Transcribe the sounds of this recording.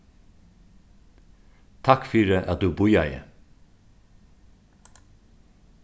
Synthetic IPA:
t̪ʰɑkfyːɾəʔɑt̪̚d̪ʉːbʊjɑɪə̰

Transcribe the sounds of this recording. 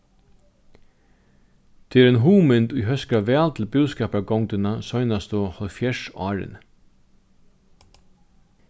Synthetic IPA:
t̪ʰeːɛɾɛnɦuːmɪnt̪ujɦœskɾaʋɛːlt̪ʰɪlbuwskɛːpɾaɡɔwŋt̪ɪnasɔjnast̪ʊhɔlfjɛʂɑːɾɪ̰n

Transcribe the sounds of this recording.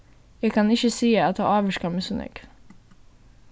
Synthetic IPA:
jɛkʰɑnɪçəsiːəɑt̪hɑ̰ːɑːʋəʃkɑmɛsʊnʔɛ̰k

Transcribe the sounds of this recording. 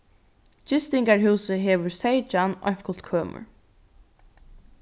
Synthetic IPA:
t͡ʃɪst̪ɪŋkaɹɦuːsəɦɛːʋʊɹsejt͡ʃanɔ̰j̥kʊl̥t̪kʰøːmʊ̰ɹ

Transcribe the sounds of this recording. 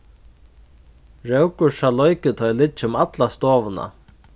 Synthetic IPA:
ɾɛwkʊʂalɔjkɪt̪ʰɔjlɪt͡ʃːɪʊmat̪last̪ɔːvəna̰

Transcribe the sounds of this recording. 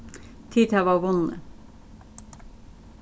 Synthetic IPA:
t̪ʰiːd̪hæːʋɑːʋʊnə̰

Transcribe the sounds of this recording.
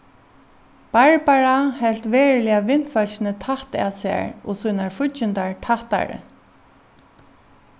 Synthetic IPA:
b̥aɹbaɹahɛlt̪ʋɛːɹɪlɪaʋɪn̥fœlɕɪnət̪ʰaht̪a̰ːsɪa̰ɹɔ̰ːsuːnaɹfʊt͡ʃɪnt̪aɹt̪ʰaht̪a̰ɹɪ̰

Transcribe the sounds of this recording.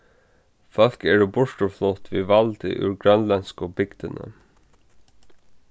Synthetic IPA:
fœl̥kɛɹʊbʊʂʈəflɔt̪ʋiːʋɑlt̪ɪ̰ʔʉ̰ɹɡɾœnlɛnskɔbɪɡd̪ənə̰

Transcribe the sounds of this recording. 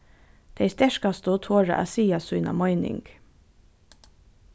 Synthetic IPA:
d̪̥eɪst̪ɛʃkɑst̪oːt̪ʰoːɹa̰ʔa̰siːasʉːnɑ̰mɔʏnɪ̰ŋɡ̥

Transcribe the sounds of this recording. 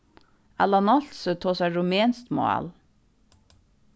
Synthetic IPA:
ælɑnɑlsət̪ʰoːsæɹʊmeːnst̪mʊ̰æ̰l

